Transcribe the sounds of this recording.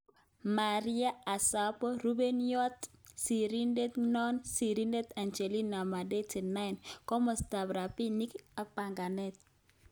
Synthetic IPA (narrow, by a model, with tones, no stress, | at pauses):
ma˨ɾɪ˦a˦a˨sa˦pɔ˦ɾu˦be˦njɔ˦tsi˨ɾi˦nde˦t̪nɔ˦nsi˨ɾi˦nde˦t̪a˨nt͡ʃe˨li˦na˨ma˨de˦tɪ˨na˦ɪ˨nkɔ˦mɔ˨sta˨bɾa˨pi˦ni˦ka˨k͡pa˨ŋɡa˨nɛ˦t̪̚